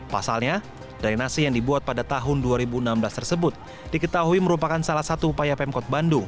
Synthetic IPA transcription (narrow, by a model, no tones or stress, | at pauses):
pasalɲa | dajnasijaŋdibuat̪̚padat̪aɦʊnduaɾibuənamblast̪ərsəbʊt̪̚ | d̥ikət̪aɦuiməɾupakansalahsat̪uːpajapɛmkɔt̪̚bandu